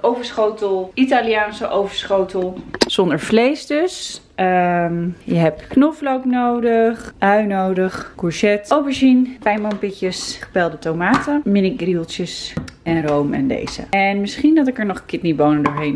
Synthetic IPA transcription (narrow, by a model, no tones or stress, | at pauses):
ʔowvəɹsχowtəlˠitaliaːnsəʔowvəɹsχowtəlˠz̥ɔndəɹflejsdøs | əmjəɦɛpknɔflowknowdəχʔœɥnowdəχkuɹsɛtowpəɹʃinpɛjmɔmpɪcəsχə̥pɛlˠdətomaːtəmɪnɪɡrilˠtəsɛnrowmɛ̰ndḛjzə̰ɛnmɪsχindɑtɪkəɹnɔχəkɪtnibownəndʊːɹɦejn